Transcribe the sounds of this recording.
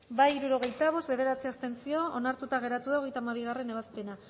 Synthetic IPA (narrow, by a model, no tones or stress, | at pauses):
baiɾuɾo̞ɣe̞jt̪aβ̞o̞st̪be̞ðe̞ɾat͡siast̪e̞nt͡sio̞onaɾt̪ut̪aɣ̞e̞ɾat̪uðao̞ɣe̞jt̪amaβ̞iɣ̞are̞ne̞β̞aspe̞na